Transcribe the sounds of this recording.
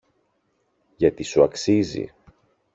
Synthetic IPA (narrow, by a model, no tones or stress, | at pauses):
ʝɐt̪isuɐksizḭ